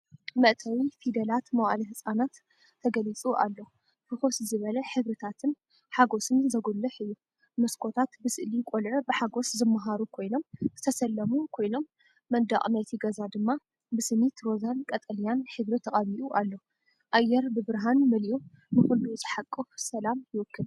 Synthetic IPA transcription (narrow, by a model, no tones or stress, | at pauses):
mɐʔt̪ʰɐwifid̪ɐlat̪mɐwaliɦɨsʼanat̪ʰː | ɐɡɐlit͡sʼuʔa̰lːo | fɨxo̞szɨβɐlɐħɨβɾɨt̪ʰat̪ʰɨn | ħaɡo̞sɨnzɐɡolːɐħɨjːu | mɐskʰo̞t̪ʰat̪bɨsɨʔlikʼolʕɨbɨħaɡo̞szɨmːaɦaɾukʰo̞jno̞mz̥ɨt̪ʰɐsɐlːɐmukʰo̞jno̞mː | ɐnd̪a̰χʼmɐt̪ʰiɡɐzad̪ɨmːa | bɨsɨmit̪ɾo̞zankʼɐt̪ʼɐlijanħɨβɾɨt̪ʰɐχʼɐmiʔuʔalːo | ʔajɛɾbɨbɨɾɦanmɨlju | bɨxɨlːuzʼɨħakʼːɨfsɐlamjɪwʊkʰːɨl